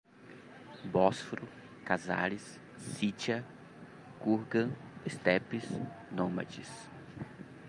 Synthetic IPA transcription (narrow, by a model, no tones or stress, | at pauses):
bɔsfɾʊ | kaza̰ɾisː | it͡ʃɐ | kuɾɡɐ̃est̪ɛpisnõmɐ̰t͡ʃis